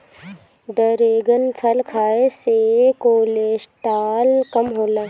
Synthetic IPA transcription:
d̪əɾeːɡənpʰəlkʰaːesekoːleːʃt̪aːlkɐmɦoːlaː

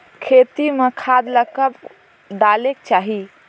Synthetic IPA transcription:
kʰet̪imekʰad̪ləkəb | d̪alekt͡ʃaɦi

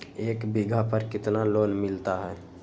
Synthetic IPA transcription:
eːkbɪɡʱapəɾkɪt̪naloːnmɪlt̪aɦɛː

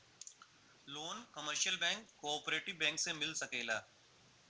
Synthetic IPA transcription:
loːnkɐməɾʃəlbɛ̃ːŋkːoɔːpɾeːʈɪʋbɛ̃ːŋksemɪlsɐkeːlaː

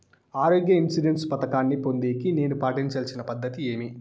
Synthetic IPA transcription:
aːɾoːɡjɐinsiɖe̞nspɐt̪ɐkaːnːipo̞nd̪iːkine̞ːnupaːʈiɲt͡ʃɐlt͡ʃinɐpɐd̪ːɐt̪ie̞ːmi

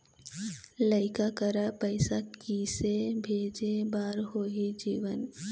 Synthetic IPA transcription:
ləɪkakəɾapəɪsakisebʱeːd͡ʒebaːɾɦoːɦid͡ʒiːʋən

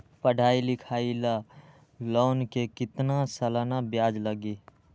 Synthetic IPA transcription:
pəɖʱaːilɪkʰaila | lɔnkekɪt̪nasəlanabjaːd͡ʒləɡi

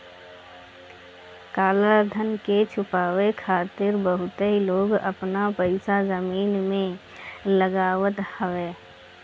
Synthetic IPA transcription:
kaːlad̪ʱənket͡ʃʰʊpaːwekʰaːt̪ɪɾbəɦʊt̪ɦiloːɡə̰pnapəɪsazəmiːnmẽ | ləɡaːwət̪həʋeː

